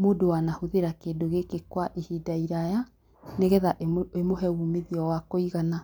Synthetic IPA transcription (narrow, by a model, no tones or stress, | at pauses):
moːdowanahoðeɾakeːdoɣekekwaʔihiːdaiɾaja | neɣɛðaʔemoɦɛuːmiðiɔwakoiɣana